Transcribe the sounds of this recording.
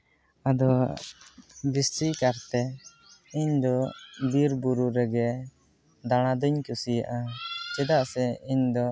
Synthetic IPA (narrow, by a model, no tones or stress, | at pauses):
ad̪ɔ | bist̪ikaɾt̪ɛ | iɲd̪ɔbiɾbuɾuɾɛɡɛ | d̪aɽ̃ad̪ɔɲkusija̰ʔat͡ʃɛd̪aʔsɛiɲd̪ɔ